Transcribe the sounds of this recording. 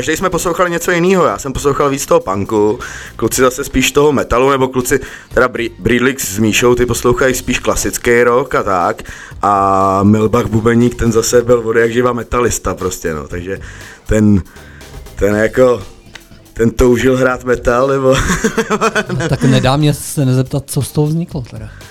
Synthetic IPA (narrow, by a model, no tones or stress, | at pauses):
kaʒdɛjsmɛposlowxalɪɲɛt͡so̞jɪniːɦojaːsɛmposlowxalviːt͡st̪oɦopaŋkuklut͡sɪzasɛspiːʃt̪oɦomɛt̪alunɛbo̞klut͡sɪ | t̪ɛɾabɾibɾiːdlɪkszmiːʃowt̪ɪpo̞slowxajspiːʃklasɪt͡skejɾokat̪ak | ʔamɪlbaxbubɛlɲiːkt̪ɛnzasɛbɪlvodɛjaɡʒɪvamɛt̪alɪst̪apɾoscɛno̰t̪aɡʒɛt̪ɛn | t̪ɛnjako | t̪ɛnt̪owʒɪlɦɾaːt̪mɛt̪alnɛbo | t̪anɛdaːmɲɛsɛnɛzɛp̚t̪at̪̚t͡sost̪oɦovzɲɪklot̪ɛɾa